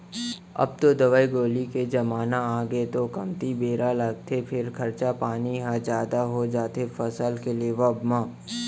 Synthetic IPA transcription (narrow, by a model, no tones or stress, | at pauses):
ɐ̰b̚t̪od̪ɐʋaːiɡoːliked͡ʒɐmaːnaaːɡet̪okɐmt̪ibeːɾalɐɡ̚t̪ʰepʰɪɾkʰɐɾt͡ʃapaːniɦad͡ʒjaːd̪aɦod͡ʒaːt̪ʰefɐsəlkelieʋɐbmãː